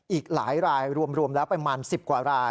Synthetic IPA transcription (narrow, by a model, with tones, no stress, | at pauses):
ʔiː˨˩k̚laː˩˦jɾaː˧jɾu˧əmɾu˧əmlɛː˦˥wpɾa˧maː˧nsi˨˩p̚kwaː˨˩ɾaː˧